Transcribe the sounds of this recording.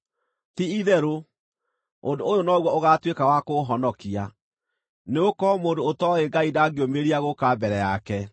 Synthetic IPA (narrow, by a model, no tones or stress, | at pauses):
tiiðɛɾo | ondoojonɔɣwɔoɣatwekawakoɦɔnɔkia | neokɔmoːndoːtɔeɡaidaɡeomeɾiaɣokabɛɾɛjakɛ